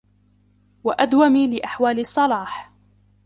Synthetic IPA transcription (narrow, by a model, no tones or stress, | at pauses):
waʔad̪wamiːlɪʔaħwaːlɪsˤːɑlɑːħ